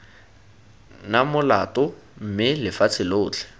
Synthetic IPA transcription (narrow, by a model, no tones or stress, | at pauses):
namʊlatʼʊ | m̩mɪlɪfat͡sʰɪloːt͡ɬʰɛ̥